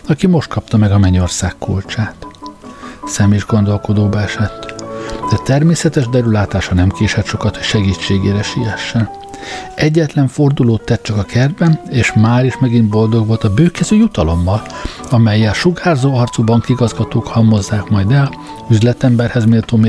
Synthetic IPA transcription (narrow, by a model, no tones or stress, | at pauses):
ɒkimo̞ʃt̪̚kɒp̚t̪ɒmɛɡɒmɛɲo̞rsaːkːṵlt͡ʃaːt̪ | sɛmiʒɡo̞n̪d̪o̞lko̞d̪oːbɒɛʃɛt̪ːd̪ɛt̪ɛrmeːsɛt̪ɛʒd̪ɛɾylaːt̪aːʃɒnɛmkeːʃɛt̪ʃo̞kɒt̪hocʃɛɡiːt͡ʃːeːɡḛːɾɛʃijɛʃːɛn | ɛɟːɛt̪lɛɱfo̞rd̪uloːt̪ːɛt̪̚t͡ʃɒkɒkɛrd̪bɛneːʃmaːɾiʃmɛɡint̪̚bo̞ld̪o̞ɡʋo̞lt̪ɒbøːkɛzøːjut̪ɒlo̞mːɒl | ɒmɛjːɛlʃuɡaːrzoːɒrt̪subɒŋkiɡɒzɡɒt̪oːkhɒmːo̞zːaːkmɒjd̪ɛl | yzlɛt̪ɛmbɛrhɛzmeːlt̪oːme